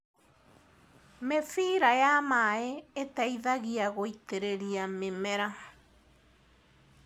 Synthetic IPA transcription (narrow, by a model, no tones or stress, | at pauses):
mefiɾajamaeetaiðaɣiaɣoiteɾeɾiamemɛɾa